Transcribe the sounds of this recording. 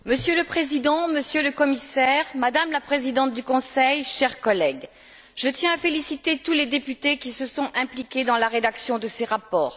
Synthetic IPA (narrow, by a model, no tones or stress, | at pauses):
məsjøləpχezid̪ɑ̃məsjøləkɔmisɛʁmad̪amlapχezid̪ɑ̃t̪̚d̪ykɔ̃sɛjʃɛʁkɔlɛɡ | ʒət̪jɛ̃afelisit̪et̪uled̪epyt̪ekʲisəsɔ̃ʔɛ̃plikʲed̪ɑ̃laʁed̪aksjɔ̃d̪əseʁapɔːʁ